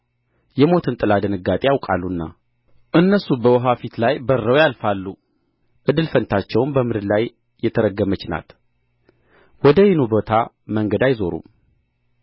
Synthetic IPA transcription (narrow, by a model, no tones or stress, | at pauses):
jɛmo̞t̪ʰɨnt̪ʼɨlad̪ɨnɨɡːat̪ʼejawkʼa̰lːunːa̰ | ʔɨnːəsubəwɔɦafit̪lajbərːəwjalfalːu | ʔɨd̪ɨlfənt̪ʰat͡ʃːɛwnbəmɨd̪ɨd̪lajː | ɛt̪ʰəɾəɡːəmət͡ʃna̰t̪ | wɔd̪əjɪnubo̞t̪ʰa | məŋɡəd̪ajzo̞ɾṵ